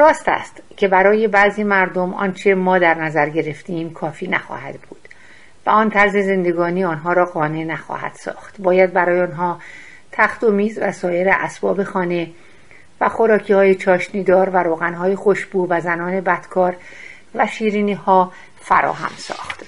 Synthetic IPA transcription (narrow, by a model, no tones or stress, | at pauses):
rɒːst̪æ̰st̪cʰe̞bæɾɒːje̞bæziːmæɾd̪omɒ̰ːnt͡ʃʰemɒːd̪æɾnæzæɾɟe̞ɾe̞ft̪ʰeːmkʰɒːfiːnæxɒ̰ːhæ̰d̪̥buːd̪̥ | væ̰ɒnt̪ʰæɾze̞ze̞nd̪e̞ɡɒːniːɒːnɦɒːɾɒːɣɒːne̞næxɒ̰ːhæ̰d̪̥sɒ̰ːxt̪bɒːjæd̪̚bæɾɒːjeonɦɒː | t̪ʰæxt̪omiːzvæsɒːje̞ɾeʔæ̰sb̥ɒ̰ːbe̞xɒːne̞ | væxo̞ɾɒːcʰiːhɒːjet͡ʃʰɒːʃniːd̪ɒːɾvæɾoːɣænɦɒːjexo̞ʃbuːvæzænɒːne̞bæd̪̥kʰɒːɾ | væʃiːɾiːniːhɒː | fæ̰ɾɒ̰ːɦæ̰msɒ̰ːxt̪